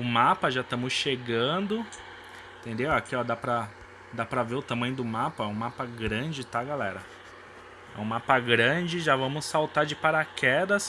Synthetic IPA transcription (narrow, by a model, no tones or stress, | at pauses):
ʊmapɐʒat̪ɐ̃mʊsʃeɡɐ̃d̪ʊ | ĩt̪ẽnd̪ewakiɔd̪apɾɐ | d̪apɾɐveʊt̪ãmɐ̃j̃ʊd̪ʊmapɐɛũmapɐɡɾɐ̃d͡ʒɪt̪aɡalɛɾɐ | ɛ̰ũmapɐɡɾɐ̃d͡ʒɪʒavɐ̃mʊsːawt̪aɾd͡ʒɪpaɾakɛd̪ɐs